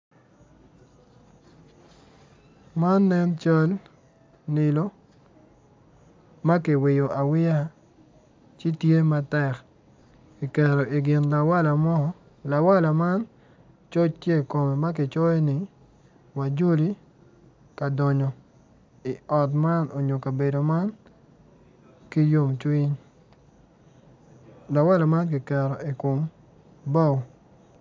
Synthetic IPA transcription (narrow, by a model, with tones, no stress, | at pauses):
ma˦nːɛ˦nt͡ʃa˦l | nɪ˨lo˦ | ma˦kɪ˨wɪ˨jo˨ʔa˨wɪ˦ja˦ | t͡ʃɪ˦tje˦ma˦tɛ˨k | ki˨kɛ˨ɾo˨ʔi˨ɡɪ˨nla˨wa˦la˨mɔ˦˨ | la˨wa˦la˨ma˦n | t͡ʃo˦t͡ʃtje˦i˨ko˨mɛ˨ma˦k̬ɪ˨t͡ʃɔ˦je˦nɪ˦ | wa˨d͡ʒo˦li˦ | ka˨dɔ˨ɲɔ˨ | ɪ˨ɔ˨tma˦no˨ɲo˨ka˨be˨do˨ma˦n | ki˦jo˦mt͡ʃwi˦ɲ | la˨wa˦la˨ma˦nk̬i˨kɛ˨ɾo˨i˨ko˨m | bɔ˦˨w